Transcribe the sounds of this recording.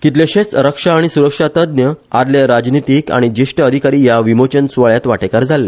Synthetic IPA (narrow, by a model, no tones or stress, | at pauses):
kit̪̬leɕẽt͡sɾəkʂaːɽ̃isuɾəkʂat̪əd̪̚njəad̪ljaɾad͡ʑnit̪iːka̰ɽ̃id͡ʑiʂʈəəd̪ʱikaɾiːjaʋimot͡ɕənsuʋaɭjat̪ʋaʈekaɾd͡zʱalːe